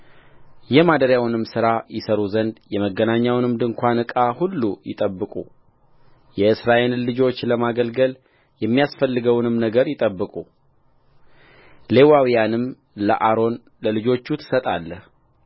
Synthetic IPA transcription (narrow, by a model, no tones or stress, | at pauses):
jɛmad̪əɾjawnɨmsɨɾajɪsəɾuzənd̪jɛməɡːənaɲːawnɨmd̪ɨŋkʷanɨkʼahulːujɪ̰t̪ʼəbːɨkʼu | jɛɨsɾaʔe̞llɨd͡ʒo̞t͡ʃːləmaɡəlɡəl | jɛmːijasfəlːɨɡəwnɨmnəɡəɾjɪt̪ʼəbːɨkʼu | le̞wawijanɨm | lə̰ʔaɾo̞n | ləlɨd͡ʒo̞t͡ʃːut̪ʰɨ̥sət̪ʼa̰lːəh